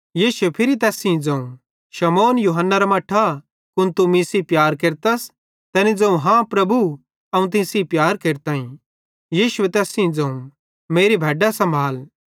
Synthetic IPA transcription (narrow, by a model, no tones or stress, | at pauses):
jiːʃʊwepʰɪɾit̪ɛːsĩĩd͡zɐ̃ũ | ʃɐmoːnjuːɦənːaɾamɐːʈʰa | kʊnt̪umĩsipjaːɾkeːɾt̪ɐs | t̪ɛːnid͡zɐ̃ũɦãpɾɐbu | ɐũt̪̬ɪ̃sipjaːɾkeːɾt̪aːĩ | jiːʃʊet̪ɛːsĩĩd͡zɐ̃ːũ | meːɾibʱɛːɖasɐ̃mbʱaːl